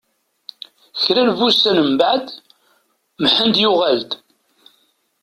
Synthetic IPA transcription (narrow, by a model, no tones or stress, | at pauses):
çɾælvusænəmbaʕd̪ | məħənd̪jʊʁælt̪